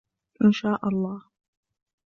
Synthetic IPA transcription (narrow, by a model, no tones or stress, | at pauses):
ʔɪnʃaːʔɑlˤːɑːh